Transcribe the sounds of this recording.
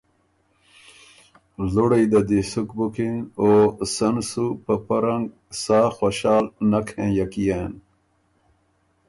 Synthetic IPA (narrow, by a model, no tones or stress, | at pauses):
luɽeid̪ɐd̪isukbukinoːsɐnsupɐpɐɾɐŋɡ | saːxoɕaːlnɐkʰẽːjɐkijen